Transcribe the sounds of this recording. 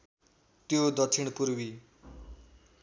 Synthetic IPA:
t̪jod̪ʌt̪ʰiɽ̃puɾwi

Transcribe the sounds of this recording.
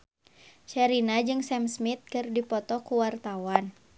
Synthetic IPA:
t͡ʃɛɾinad͡ʒɨŋsɛmsmit̪̚kɨrdipɔt̪ɔkuwart̪awan

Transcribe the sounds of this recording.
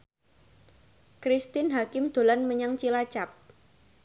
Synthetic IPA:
kɾist̪ɪnɦakɪmd̪̥o̤lanməɲaŋt͡ʃilat͡ʃap̚

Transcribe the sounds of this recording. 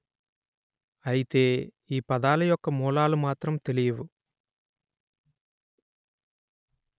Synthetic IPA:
ɐjit̪e̞ː | iːpɐd̪aːlɐjɔkːɐmuːlaːlumaːt̪ɾɐmt̪e̞lijɐwu

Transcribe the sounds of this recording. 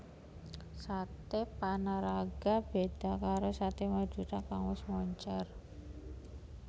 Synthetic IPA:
sat̪epanaɾaɡ̥a̤b̥ed̪̥a̤kaɾosat̪emḁd͡ʒʒ̥ṳt̪akaŋwɪsmɔɲt͡ʃar

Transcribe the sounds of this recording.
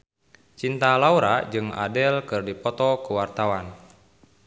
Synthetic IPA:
t͡ʃint̪alauɾad͡ʒɨŋa̰dɛlkɨrdipɔt̪ɔkuwart̪awan

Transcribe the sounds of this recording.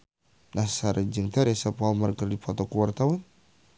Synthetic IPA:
nahsaɾəd͡ʒəŋt̪aɾɛsapamarɡərdipʰɔt̪ɔkuwart̪awan

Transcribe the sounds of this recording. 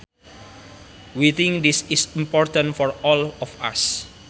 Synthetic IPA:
wit̪ɪ̃ŋk̚d̪isisimpɔɹt̪ãnfɔɹɔlɔfa̰s

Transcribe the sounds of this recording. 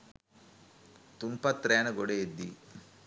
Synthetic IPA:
t̪umpɐt̪ːɾeːnɐɡoɽeed̪ːi

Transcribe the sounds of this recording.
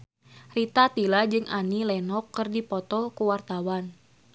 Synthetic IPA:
rit̪at̪ilad͡ʒɨŋʔanilɛnɔkːɨrdipɔt̪ɔkuwart̪awan

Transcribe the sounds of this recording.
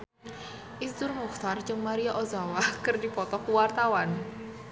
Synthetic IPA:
ʔisdʊrmuxt̪ard͡ʒɨŋmaɾiaʔozawakɨrdipɔt̪ɔkuwart̪awan

